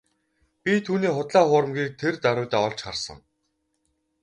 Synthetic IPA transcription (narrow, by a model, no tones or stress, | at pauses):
pʲit̪ʰuːniːχʊt̪ɮaːχʊːɾə̆mɡʲiːk̚t̪ʰert̪aɾʊːt̪aːɔɮt͡ɕχarsə̰̆ŋ